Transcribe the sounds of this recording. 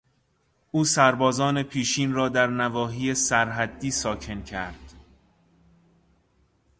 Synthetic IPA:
ʔuːsæɾbɒːzɒːne̞pʰiːʃiːnrɒːd̪æɾnævɒːɦiːjesæɾɦæd̪ːiːsɒːcʰe̞ncʰæ̰ɾd̪̥

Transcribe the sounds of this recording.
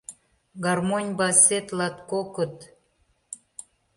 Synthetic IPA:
ɡɑrmonʲbɑset̪lɑt̪kokət̪

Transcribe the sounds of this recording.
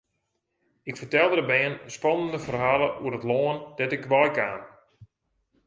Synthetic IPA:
ɪkfərtɛlˠdəəbɛənspɔnəndəfərɦaːlˠəuəətloəndɛtɪkʋɔjkaːn

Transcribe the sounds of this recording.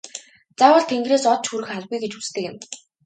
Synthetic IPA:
t͡sawə̆ɮt̪ʰeŋɡreːsɔt̪t͡ɕxuɾɘ̆xaɮɣujɡet͡ɕu̥t͡st̪ʰɘ̆kɪ̰n

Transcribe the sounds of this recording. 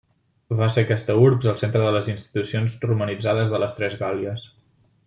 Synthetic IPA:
βasekɛst̪əuɾkzəlˠsent̪ɾəðələzinst̪i̥t̪usionzrumənid͡zaðəzðələst̪ɾɛzɣaliəs

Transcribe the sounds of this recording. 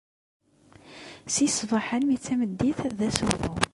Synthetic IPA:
sisvˤəħənmit͡sːæməd̪ːiθðæsuɾðʊ

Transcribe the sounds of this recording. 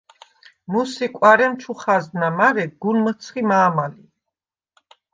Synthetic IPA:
musikʼwaɾɛmt͡ʃʰuχazd̪namaɾɛɡulmət̪sʰχimaːmali

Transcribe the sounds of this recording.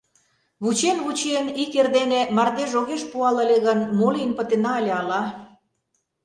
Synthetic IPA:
βut͡ɕenβut͡ɕiənikerd̪enemɑrd̪eʒoɣeʃpuɑlə̆lʲeɣənmoliənpə̆t̪enɑelʲeɑlɑ

